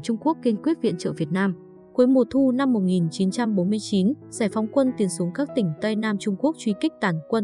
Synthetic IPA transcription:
t͡ɕʊ˧ŋ͡mku˦˥əkːi˧nkwi˦˥ət̚vḭ˧˨ənt͡ɕə̰ː˧˨˩vi˨˩ət̚naː˧m | ku˨˦jmo˨˩t̪ʰu˧na˧mːo˨˩t̚ŋi˨˩nt͡ɕi˨˦nt͡ɕa˧mɓo˨˦nmɨ˧əjt͡ɕi˨˦nz̥aː˧˩jfa˨˦wŋ͡mkwə˧nt̪i˨˦ənsu˨˦əŋkaː˦˥k̚t̪ï˧˩ŋ̟t̪ə˧jnaː˧mt͡ɕʊ˧ŋ͡mku˦˥ək̚t͡ɕwi˧ki˦˥k̟̚t̪aː˧˩nkwə˧n

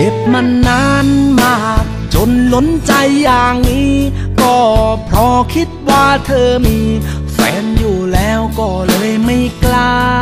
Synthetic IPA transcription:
e˨˧˩p̚ma˧nːaː˧˥nmaː˧˩˧k | t͡ɕo˧nlo˧˥nt͡ɕa˧jːaː˨˩ŋniː˦˥ | kɔː˧˩pʰɾɔ˧˥kʰi˧˥t̪̚waː˧˩t̪ʰɤː˧miː˧ | fɛ̰ː˨˦˥njuː˨˩lɛː˦˥wkɔː˧˩lɤː˧jma˧˩jklaː˧

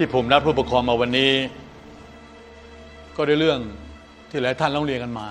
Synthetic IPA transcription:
t̪ʰiː˥˩pʰo˩˦mna˦˥p̚ʰuː˥˩pa˧kʰɔː˧mːaː˧wa˧nːiː˦˥ | kɔː˥˩da˥˩jɾɯ˥˩əŋ | t̪ʰiː˥˩lɛː˦˥wt̪ʰa˥˩nlɔː˥˩ŋɾi˧əŋka˧nmaː˧

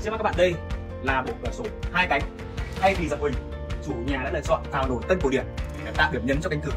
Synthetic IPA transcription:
i˧˥kaː˨˧˦ɓa̰ː˧˨ɗə˧j | laː˨˩ɓo˨˩t̚kəː˨˩so˨˦haː˧jka˨˦jŋ̟ | t̪ʰa˧jvi˨˩za̰˨˧˨wŋ͡mhï˨˩ŋ̟ | t͡ɕu˧˩ɲaː˨˩a̰ː˧˥lə̰ː˧˨t͡ɕɔ̰˧˨nt̪ʰaː˧˩wno˨˩jt̪ə˧n̚ko˧˩˦ɗi˧˩ən˨˩a˨˦t̪a̰˧˨ɓi˧˩əmɲə˨˦nt͡ɕɔ˧ka˨˦ŋ̟kɨ̰˧˩ə˦

